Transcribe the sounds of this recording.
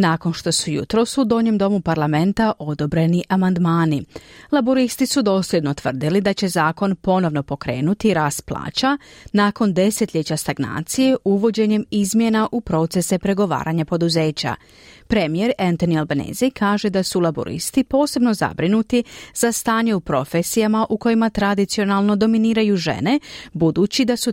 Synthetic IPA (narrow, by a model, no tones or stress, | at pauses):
naːko̞nʃt̪o̞sujṵt̪ɾo̞sud̪o̞ːɲe̞md̪o̞mupaɾlˠame̞nt̪aʔo̞d̪o̞bɾe̞niʔamand̪maːnilˠaboɾist̪isud̪o̞ːsljed̪no̞t̪ʋər̩d̪ilid̪at͡ɕe̞zaːko̞npo̞no̞ʋno̞po̞kɾe̞̰ːnut̪iɾaːst̪̚plˠa̰ːt͡ɕanaːko̞nd̪e̞set̪ʎʲe̞t͡ɕast̪aɡna̰ːt̪sije̞ʔuʋo̞d͡ʑe̞ɲe̞mizmje̞naʔupɾo̞t̪se̞sepɾe̞ɡo̞ʋa̰ːɾʔaɲapo̞d̪uze̞ːt͡ɕa̰ | pɾe̞mije̞ɾent̪o̞nielbenḛzijkʰaːʒe̞d̪asulˠabo̰ɾḭst̪ipo̞ːse̞bno̞za̰bɾinut̪iz̥ast̪aːɲe̞upɾo̞fesijamaʔuko̞jimat̪ɾad̪it̪sio̞nalˠno̞d̪o̞miniːɾajuʒe̞̰ne̞bud̪uːt͡ɕid̪asu